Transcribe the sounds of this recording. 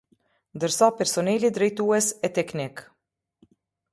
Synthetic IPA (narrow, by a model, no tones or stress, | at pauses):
nd̪əɾsapɛɾsɔnɛlid̪ɾɛjt̪uɛsɛt̪ɛknɪk